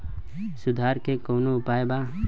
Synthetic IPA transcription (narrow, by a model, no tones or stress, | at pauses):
sʊd̪ʱaːɾkekoːnoʊpaːeba